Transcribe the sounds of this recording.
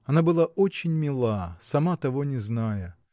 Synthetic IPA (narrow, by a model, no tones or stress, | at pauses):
ɐnabɨlˠaot͡ɕɪnʲmʲɪlˠasɐmat̪ɐvonʲɪznajə